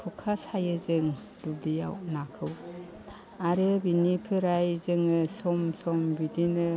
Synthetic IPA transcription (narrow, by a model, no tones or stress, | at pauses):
kʰukʰasajɯzɯŋ | dublija̰wnakʰɯw | aɾɯbinipʰɯɾajzɯŋɯsɔmsɔmbidinɯ